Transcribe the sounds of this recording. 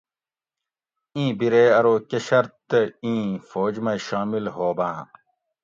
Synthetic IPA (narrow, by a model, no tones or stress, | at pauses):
ĩːbiɾeːɐɾoːkeɕɐɾt̪ːĩːfoːd͡ʑmɐɕaːmilhoːbãː